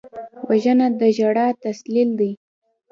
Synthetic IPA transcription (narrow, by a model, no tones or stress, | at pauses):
waʒənad̪əʒaɽat̪aslild̪i